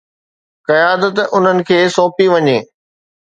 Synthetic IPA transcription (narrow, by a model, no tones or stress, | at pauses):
kɐjaːd̪ət̪ʊn̤ənɪ̆kʰeːsɔ̃ːpiʋɐɲeː